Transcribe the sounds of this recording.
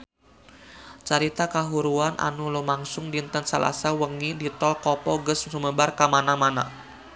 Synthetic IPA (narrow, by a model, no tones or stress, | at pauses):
t͡ʃaɾit̪akaɦuɾuanʔa̰nulumaŋsʊŋdint̪ənsalʔa̰sawəŋidit̪ɔlkɔpɔɡəssuməbarkamanamana